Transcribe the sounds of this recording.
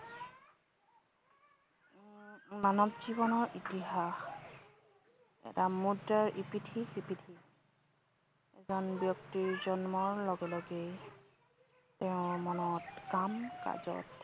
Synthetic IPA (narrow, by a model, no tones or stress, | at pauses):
manɔbzibɔnɔɹʔitiɦax | ɛ̰tamudaɹʔipitʰiipitʰi | ɛzɔnbjɔk̚tiɹzɔnmɔɹlɔɡɛlɔɡɛ | teʊ̃ɹmɔnɔtkamka̰zɔ̰t